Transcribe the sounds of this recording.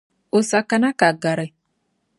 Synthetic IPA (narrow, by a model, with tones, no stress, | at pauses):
o˨sa˨ka˨na˦ka˨ɡa˨ɾa˨